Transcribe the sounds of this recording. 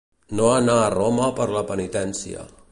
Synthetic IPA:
noanaːroməpəɾləpənit̪ɛnsiə̰

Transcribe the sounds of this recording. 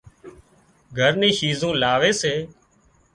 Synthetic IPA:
ɡʱəɾnĩːʃiːzõːlaːʋeːseː

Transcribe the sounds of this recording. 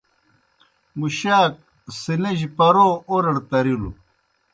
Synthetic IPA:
muɕaːk̚ | sineʑipɐɾoːoɾɐɽt̪ɐɾilṵ

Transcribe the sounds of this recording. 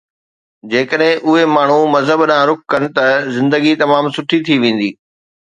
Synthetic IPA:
d͡ʑeːkəɗɦɪ̃ʔʊɦemaːɳ̤umɐzɦəbɗãːɾʊk̚ʰkɐnɪ̆t̪ɐzɪ̃nd̪əɡit̪ɐmaːmsʊʈʰit̪ʰiʋẽːn̆d̪iː

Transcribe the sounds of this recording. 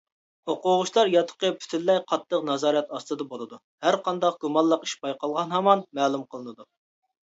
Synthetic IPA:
hoqʊʁʊʃlˠɑɾjɑt̪ʰə̥qəpʰy̥t̪ʰynlːɛjqʰɑt̪ʰːəqnɑzɑːɾijɑt̪ɑst̪ɨd̪ɑbolˠɨd̪u | hæɾqʰɑnd̪ɑq̚ɡ̥umɑlˠːəqi̥ʃpɑjqɑlˠʁɑnɦɑmɑnmɛːlˠumqʰəlˠɨnɨd̪u

